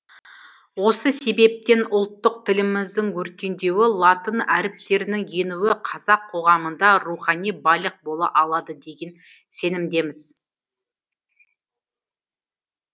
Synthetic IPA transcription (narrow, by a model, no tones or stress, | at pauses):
wo̞səse̞be̞p̚t̪e̞nʊlˠt̪ːəq̚t̪ʰɪlɪmɪzd̪ɪŋwɵɾkʲe̞nd̪e̞wɪlˠɑt̪ənæɾɪp̚t̪e̞ɾɪnɪŋje̞nuwɪqʰɑzɑqʰːo̞ʁɑmənd̪ɑɾuχɑnijbɑjlˠəq̚bo̞lˠɑ̰ʔɑlˠɑd̪əd̪e̞ɡʲe̞n | se̞nɪmd̪e̞mɪz̥